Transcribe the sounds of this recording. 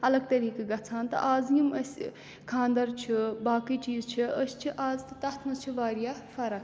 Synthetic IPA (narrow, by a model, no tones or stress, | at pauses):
ɐlɐɡ̚t̪ɐɾiːkɐɡɐt͡sʰaːnt̪ɐ̰ʔaːzjimɐsʲ | kʰãːnd̪ɐɾt͡ʃʰibaːkit͡ʃiːzt͡ʃʰiəsʲt͡ʃʰiʔaːzt̪ɨt̪ɐt̪ʰnɐzt͡ʃʰiʋaːɾjaːfɐɾɐk